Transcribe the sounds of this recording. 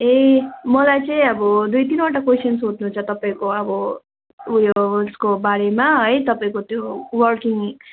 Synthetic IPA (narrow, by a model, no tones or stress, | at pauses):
emʌlajt͡sʌĩʌbʌd̪ujt̪inwaʈakwesʌnsɦod̪nuɦũnt͡sʰʌt̪ʌpaĩkoʌbʌ | ujoskobaɾemaɦʌjt̪ʌpaĩkot̪jowʌrkiŋ